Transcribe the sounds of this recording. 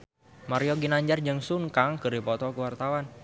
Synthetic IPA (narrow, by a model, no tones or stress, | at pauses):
maɾioɡinaɲd͡ʒard͡ʒɨŋsuŋkaŋkɨripɔt̪ɔkəwart̪awan